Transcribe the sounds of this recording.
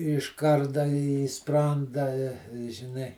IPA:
ɪʃ ˈkɐrdɐ iː ˈsprɐndɐ ɪ ʒʲɪˈnɐɪ

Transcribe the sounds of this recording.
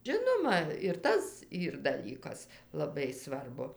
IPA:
ˈʒʲɪnoːmɐ ɪr ˈtɐs ˈiːr dɐˈlʲiːkɐs lˠɐˈbɐɪ ˈsʋɐrbʊ

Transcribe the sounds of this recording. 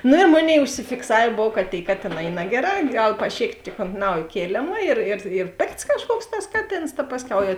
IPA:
ˈnoː ɪ ˈmoːˌnʲeːɪ ʊʃʲsʲɪfʲɪkˈsɑːʋʲeː ˈboːw kɐ tʲeːɪ ˈkɑːtʲeːˌnɑː iː ˈnɑːɡʲɛˌrɑː ˈɡɐlˠ pɐˈʃʲeːktʲeː oːnt ˈnɐʊjeː ˈkʲeːlʲeːmɐ ɪr ɪr ɪr ˈpʲeːkts kɐʃˈkuɔks tɐs ˈkɑːˌtʲeːns tɐ ˈpɑːsʲˌkʲɛʊ jɛʊ

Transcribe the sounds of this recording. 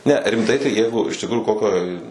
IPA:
nʲɛ rʲɪmˈtɐɪ tɐɪ ˈjɛɪɡʊ ɪʃ tʲɪkˈruːjʊ ˈkoːkʲoːj

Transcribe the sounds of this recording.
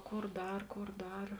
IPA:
ˈkoːr ˈdɐr ˈkoːr ˈdɐr

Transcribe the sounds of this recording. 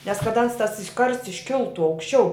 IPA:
nʲɛs kɐt ˈɐns ˈtɐs ˈkɐrsts ɪʃʲˈkʲɪlˠtʊ ɐʊkʃʲˈt͡ʃʲɛʊ

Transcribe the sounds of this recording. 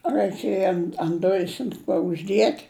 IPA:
rɐɪˈkʲeːjɛ ɐn ɐnt ˈdʊjɪs ɐn ˈkuɔ ʊʒʲˈdʲiɛtʲ

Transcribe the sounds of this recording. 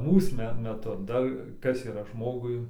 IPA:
ˈmuːs mʲɛ mʲɛˈtʊ ˈdɐr ˈkɐs iːˈrɐ ˈʒmoːɡʊɪ

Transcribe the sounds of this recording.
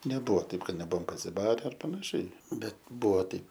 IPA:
nʲɛˈbʊʋoː ˈtɐɪp ˈkɐt nʲɛˈbʊʋoːm pɐsʲɪˈbɑːrʲɛ ɐr pɐnɐˈʃʲɛɪ ˈbʲɛt ˈbʊʋoː ˈtɐɪp

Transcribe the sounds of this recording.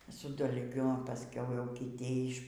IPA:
sʊ dɐlʲˈɡʲʊ pɐˈsʲkʲɛʊ jɛʊ kʲɪˈtʲiː ɪʃ

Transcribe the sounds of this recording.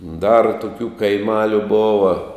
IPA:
dɐr tʊˈkʲuː kɐɪˈmɑːlʲʊ ˈboːʋɐ

